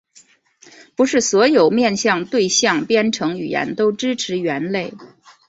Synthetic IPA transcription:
pu˧˥ʂɻ̩˥˩swɔ˧˥jo˨˩ʊmjɛ˥˧nɕjɑ˥˧ŋt̪we˥˧ɪɕjɑ˥˧ŋpjɛ˥nʈ͡ʂʰɤ˧˥ŋy˨˩jɛ̰˧˥nt̪o˥ʊʈ͡ʂɻ̩˥ʈ͡ʂʰɻ̩˧˥ɥɛ˧˥nle˥˩ɪ

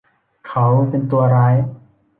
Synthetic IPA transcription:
kʰa˦wpe˧nt̪u˧ɐɾaː˦˥j

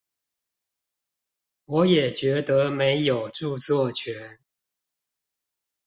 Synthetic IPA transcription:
wɔ˨˥jɛ˨˩t͡ɕɥɛ˨˧˥t̪ə˨˦me˧˥ɪjo˨˩ʊʈ͡ʂu˥˧t͡swɔ˥˨t͡ɕʰɥɛ˨˧˦n

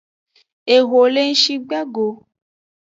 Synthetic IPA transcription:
e˨ɦo˨le˦n̩˦ʃi˧ɡ͡ba˦ɡo˧

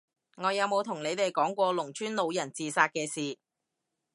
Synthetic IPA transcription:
ŋɔː˨˧jɐ˨˧wmo˨˧wt̪ʰʊ˨˩ŋne˨˧jt̪e˨jkɔː˨˥ŋkʷɔː˧lʊ˨˩ŋt͡ʃʰyː˥nlo˨˧wjɐ˨˩nt͡siː˨˩saː˧t̚kɛː˧siː˨

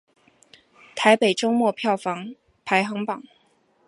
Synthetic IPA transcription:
t̪ʰa˧˥ɪpe˨˩ɪʈ͡ʂo˥ʊmwɔ˥˧pʰjɑ˥˩ʊfɑ˧˥ŋ | pʰa˧˥ɪxɑ˧˥ŋpɑ˨˩˦ŋ

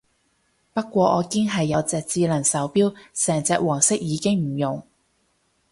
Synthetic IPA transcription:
pɐ˥t̚kʷɔː˧ʔɔː˨˧kɪ˥ŋɦɐ˨jːɐ˨˧wt͡sɛː˨˧k̚t͡siː˧lɐ˨˩ŋsɐ˨˥wpiː˥wsɛː˨˩ŋt͡sɛː˧k̚wɔː˨˩ŋsɪ˥k̚jiː˨˧kɪ˥ŋm̩˨˩jʊ˨˩ŋ

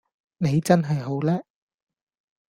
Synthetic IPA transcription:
ne˨˧jt͡sɐ˥nɦɐ˨jɦo˨˥wlɛː˥

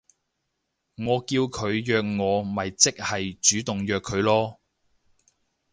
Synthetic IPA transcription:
ŋɔː˨˧kiː˧wkʰɵ˨˧ɥjœː˨˧k̚ŋɔː˨˧mɐ˨jt͡sɪ˥k̚hɐ˨jt͡ʃyː˨˥t̪ʊ˨ŋjœː˨kʰːɵ˨˧ɥlɔː˥

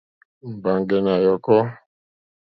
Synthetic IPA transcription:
m̩˨ba˨ŋɡɛ˨na˨jɔ˨kɔ˦

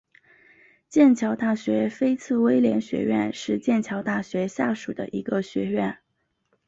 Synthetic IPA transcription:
t͡ɕjɛ˥˩nt͡ɕʰjɑ˧˥ʊt̪a˥˩ɕɥɛ˧˥fe˥ɪt͡sʰɹ̩˥˩we˥ɪljɛ˧˥nɕɥɛ̰˧˥ɥɛ̰˥˧nʂɻ̩˥˧t͡ɕjɛ˥˩nt͡ɕʰjɑ˧˥ʊt̪a˥˩ɕɥɛ˧˥ɕja˥˩ʂu˨˩d̪ə̰˦ʔi˧˥ɡə˧ɕɥɛ̰˧˥ɥɛ˥˩n

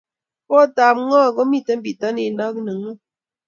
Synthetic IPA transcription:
pɔ˦˨ta˨mŋɔ˦˨ɡɔ˦mi˦˨tɛ˦m̩˦bi˨ta˦ni˦˨na˦k̚nɨ˨ŋə˦

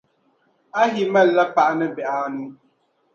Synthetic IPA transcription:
a˦ɦi˦mɛ˦˨lːa˦pa˦˨ʔnɨ˦bɛ˨ʔa˨nu˦

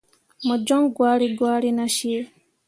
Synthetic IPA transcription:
mɔ˨d͡ʒɔ̃˦ŋɡwaː˦ɾi˦ɡwaː˦ɾi˦naʃi˦e˦

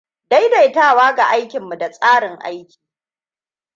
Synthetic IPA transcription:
da˦jda˨jtaː˦˨waː˦ɡa˨ʔa˦jkʲɪ˨mːu˨da˨sʼaː˦ɽɪ˨ŋʔa̰˦jkʲi̥ː˨

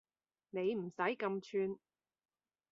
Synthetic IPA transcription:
ne˨˧jm̩˨˩sɐ˨˥jkɐ˧mt͡ʃʰyː˧n

